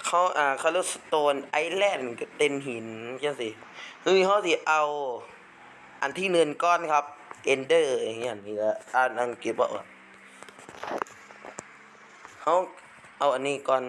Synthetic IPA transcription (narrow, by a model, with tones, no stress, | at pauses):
kʰa˧˥˩wʔaː˨˧˩kʰaː˧˩lo˧˩t̪̚sḁ˧t̪oː˧nʔa˧˨jlɛː˧˩˨nka˧t̪e˧˨nɦi˨˦nka˧˩˨si˧˦hɯː˧ha˧˥wsi˧ʔa˧w | ʔa˨nt̪ʰiː˧˥˨nɯ˧˨nkɔː˧˨nkʰa˧p̚ʔe˧ndɤː˧˩˨i˧˨ʔa˨˩nːiː˧˩ka˧˩a˧˩na˧˨nke˧˩p̚bɔ̰˧˩wa̰˧˩ | ha˧˥w | ʔa˧wʔa˨nːiː˧˩˨kɔː˧˩n